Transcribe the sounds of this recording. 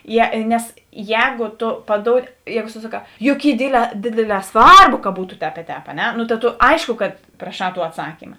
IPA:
ˈjɛ nʲɛs ˈjɛːɡoː toː pɐˈdoːʊdʲɪ ˈjɛːɡoː sʊsɐˈkɑː jʊk ˈiː ˈdʲeːdʲˌlʲɛː ˈdʲeːdʲeːˌlʲɛː ˈsʋɐrˌboː kɐ ˈbuːtʊ tʲɛːp ɪ ˈtʲɛːp ɐ ˈnʲɛ noː tɐ toː ˈɐɪʃkoː kɐt prɐˈʃɑː tuɔ ɐtˈsɑːkʲiːmɐ

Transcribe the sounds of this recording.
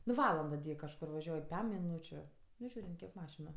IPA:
nʊ ˈʋɑːlˠɐndoː tʲɪ ˈjiɛ kɐʃˈkʊr ʋɐˈʒʲuɔj ˈpʲɛm mʲɪˈnuːt͡ʃʲʊ ˈnʊ ˈʒʲuːrʲɪnt ˈkʲiɛk ˈmɑːʃʲɪnʊ

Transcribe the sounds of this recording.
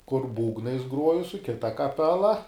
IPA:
kʊr ˈbuːɡnɐɪs ˈɡruɔjʊ sʊ ˈkʲɪtɐ kɐˈpʲæːlˠɐ

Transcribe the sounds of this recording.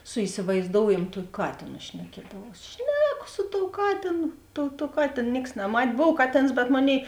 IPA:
sʊ ɪsʲɪˈʋɐɪzdoːʊjɛmʊ ˈtuɔkʲ ˈkɑːtʲeːnoː ʃʲnʲɛˈkʲiɛdɐʋɐʊs ˈʃʲnʲæːkoː sʊ toːʊ ˈkɑːtʲeːnʊ tuɔ tuɔ ˈkɑːtʲeːn ˈnʲiɛks nɐˈmɐtʲ ˈboːw ˈkɑːˌtʲeːns bʲɛt ˈmoːˌnʲeːɪ

